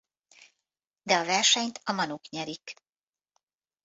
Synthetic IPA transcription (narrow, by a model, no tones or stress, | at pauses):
d̪ɛɒvɛrʃɛɲt̪ɒmɒnukɲɛɾik